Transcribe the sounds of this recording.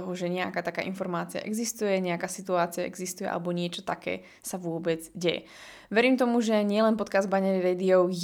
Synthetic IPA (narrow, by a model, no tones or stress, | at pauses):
ɔɦɔʒɛɲɛa̰kaːt̪akaːʔinfɔɾmaːt͡sia̰ʔɛɡzist̪ujɛɲɛakaːsit̪uaːt͡siaʔɛ̰ɡzist̪ujɛ̰a̰lɛbɔɲɪɛt͡ʃɔ̥t̪akɛ̰ː | saʋʊɔbɛd͡zɟɛjɛ̰ | ʋɛɾiːmt̪̬ɔmuʒɛɲɪɛlɛnpɔt̪̚kazbaɲɛɾiɾɛːd̪iɔʊ